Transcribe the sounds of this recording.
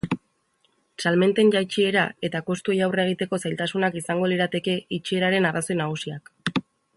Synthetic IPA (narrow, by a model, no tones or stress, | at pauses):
salme̞nt̪e̞nʝajt͡ʃie̞ɾae̞t̪ako̞st̪ue̞jawre̞ɣ̞it̪e̞ko̞sajlt̪asunakisaŋɡo̞liɾat̪e̞ke̞it͡ʃie̞ɾaɾe̞naraso̞jnaɣ̞usiak